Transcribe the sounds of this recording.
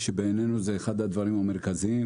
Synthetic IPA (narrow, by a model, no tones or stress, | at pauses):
ʃebenenuzeːxad̪had̪vaʁimame̞ʁkaziim